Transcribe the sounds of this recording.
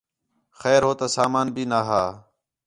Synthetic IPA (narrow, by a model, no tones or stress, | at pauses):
xɛːɾɦoːt̪aːsaːmaːnbʱiːnaːɦaː